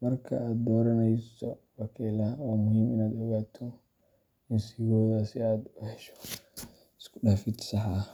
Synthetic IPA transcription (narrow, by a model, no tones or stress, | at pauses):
mɐrkʰɐ̰ʔaːd̪̚d̪ɔːɾɐnɛjsɔbɐkʰɛlɐwaːmʊɦiːmɪnaːd̪ɔɣaːt̪ʰɔ | ɪnsiɣɔːðɐsɪaːd̪ʊhɛʃɔ̥ | ɪskʰʊɖaːfɪd̪sɑħɑ